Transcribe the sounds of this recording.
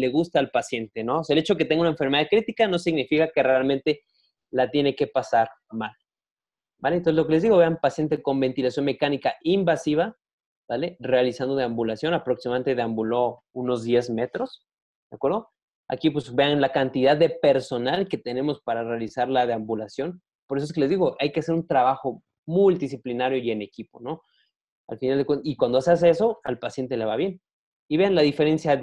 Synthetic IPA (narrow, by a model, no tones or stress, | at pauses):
le̞ɣust̪aːlpasje̞nt̪eno̞seaelet͡ʃoket̪e̞ŋɡauneɱfeɾmeðaðkɾit̪ikano̞siɣnifikake̞realmẽ̞nt̪e̞ | lat̪je̞ne̞ke̞pasaɾ | mal | balent̪oselokelezðiɣo̞βe̞ampasje̞nt̪̬e̞ko̞mbe̞nt̪ilasjo̞nme̞kanikaʔimbasiβ̞a | bale̞realisand̪o̞ðeambulasjo̞napɾo̞ksimament̪eðeambulo̞ | uno̞zðje̞zme̞t̪ɾo̞s | d̪eakweɾðo̞ | a̰kipwezβe̞anlakant̪iðaðːe̞pe̞ɾso̞nalke̞t̪e̞ne̞mo̞spaɾare̞alisaɾlaðeambulasjo̞n | po̞ɾesoes̬keleðiɣo̞ʔajkease̞ɾunt̪ɾaβaxo̞ | mult̪is̬iplinaɾjo̞ie̞ne̞kipo̞no̞ | a̰lfinald̪ekwenikwand̪oasas̬e̞so̞alpasje̞nt̪e̞le̞β̞aβje̞n | iβe̞anlaðife̞ɾe̞nsja